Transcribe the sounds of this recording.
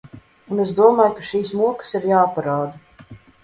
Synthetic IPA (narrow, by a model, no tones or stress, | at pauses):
unezd̪uɔmaːjkaʃiːsmuɔkḁsiɾjaːpaɾaːd̪